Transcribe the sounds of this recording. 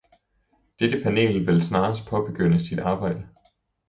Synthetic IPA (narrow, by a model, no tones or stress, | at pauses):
d̥ed̥əpʰæne̝̰ːlʋe̝lsnɑ̈ːsd̥̚pʰɒ̽b̥e̝ɡ̥øn̰əsid̥ɑ̈ːb̥ɑ̈ɪ̰d̥ə